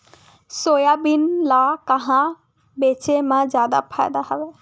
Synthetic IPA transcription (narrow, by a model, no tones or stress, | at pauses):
soːjabɪnlaːkɐɦã | beːt͡ʃemãzjaːd̪a̰pʰaːɪd̪aɦəʋeː